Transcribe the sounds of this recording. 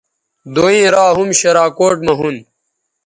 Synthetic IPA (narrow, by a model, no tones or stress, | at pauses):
d̪oːĩːɾaːɦumɕɐɾaːkoːʈmɐɦun